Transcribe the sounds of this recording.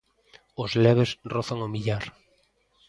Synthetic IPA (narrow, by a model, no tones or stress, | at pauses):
ʊzlɛβesroθaŋomiʎaɾ